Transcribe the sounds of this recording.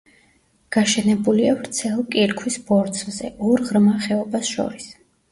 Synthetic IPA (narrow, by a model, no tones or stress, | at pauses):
ɡ̥aʃɛnɛbuliavɾt̪sʰɛlˠkʼiɾkʰwisbɔɾt̪sʰzɛ̰ʔɔɾʁɾmaχɛɔbasʃɔ̰ɾis